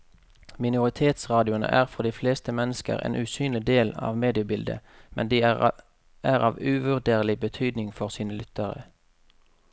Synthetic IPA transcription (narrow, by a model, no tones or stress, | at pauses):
mɪnʊʁɪt̪ʰeːt̪sʁɑːd̪ɪʊnə̰ʔæːʁfɔʁd̪iːfleːst̪əmɛnəskə̰ʁḛːnʔʉsyːnlɪd̪eːlɑ̰ːʋmeːd̪ɪəbɪld̪ə̰ | mɛnd̪iː | ʔæːʁɑːʋʉʋʉʁd̪eːʁlɪbət̪ʰyːd̪nɪŋfɔʁsiːnəlʏt̪əʁə̰